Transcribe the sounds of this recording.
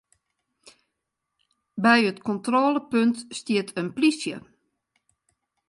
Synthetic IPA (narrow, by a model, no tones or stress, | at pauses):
bɛjətkʰɔntroːləpøntstiətʰənplisjə̰